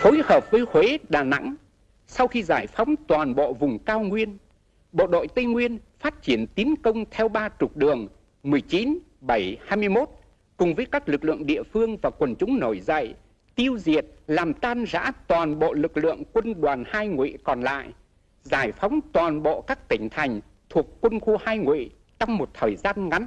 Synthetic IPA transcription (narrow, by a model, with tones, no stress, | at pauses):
fo˨˦jhəː˨˩p̚vəː˨˦jhwe˨˦ɗaː˨˩na̰˧˥ŋ | sa˧wxi˧zaː˧˩jfa˨˦wŋ͡mt̪waː˨˩nɓo̰˧˨vʊ˨˩ŋ͡mkaː˧wŋwi˧ən | ɓo̰˧˨ɗo̰˧˨jt̪ə˧jŋwi˧ənfaː˦˥t̚t͡ɕi˧˩ənt̪i˨˦ənkə˧wŋ͡mt̪ʰɛ˧wɓaː˧t͡ɕʊ˨˩k̚ɗɨ˨˩əŋ | mɨ˨˩əjt͡ɕi˨˦n | ɓə˧˩jhaː˧jmɨ˧əjmo˦˥t̚ | kʊ˨˩ŋ͡mvəː˨˦jkaː˦˥k̚lɨ˨˩k̚lɨ̰˧˨əŋɗḭ˧˨əfɨ˧əŋvaː˨˩kwə˨˩nt͡ɕʊ˨˦ŋ͡mno˧˩jzə̰˧˨j | t̪i˧əwzi˨˩ət̚laː˨˩mt̪aː˧nza̰ː˧˥t̪waː˨˩nɓo̰˧˨lɨ˨˩k̚lɨ̰˧˨əŋkwə˧nɗwaː˨˩nhaː˧jŋwḭ˧˨kɔ˨˩nla̰ː˧˨j | zaː˧˩jfɔ˨˦wŋ͡mt̪waː˨˩nɓo̰˧˨kaː˦˥k̚t̪ï˧˩ŋ̟t̪ʰa˨˩jŋ̟ | t̪ʰu˨˩əkːwə˧nxu˧haː˧jŋwḭ˧˨ | t͡ɕɔ˧wŋ͡mmo˨˩t̚t̪ʰəː˨˩jzaː˧nŋa˨˦n